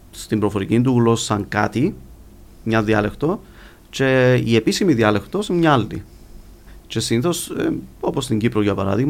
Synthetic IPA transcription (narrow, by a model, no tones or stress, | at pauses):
st̪imbɾo̞fo̞ɾicind̪uɣlo̞ssɐŋkɐ̰t̪i | mɲɐðiɐle̞xt̪o̞ | t͡ʃe̞ie̞pisimiðiɐle̞xt̪o̞smɲɐɐlːḭ | t͡ʃe̞siniθo̞so̞po̞st̪iɲɟipɾoʝɐpɐɾɐ̰ðiɣmɐ